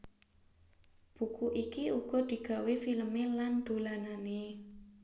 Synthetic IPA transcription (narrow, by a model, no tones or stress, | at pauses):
b̥ukuʔikiuɡ̥ɔ̤d̪̥i̤ɡ̥a̤wefiləmeland̪̥o̤lanane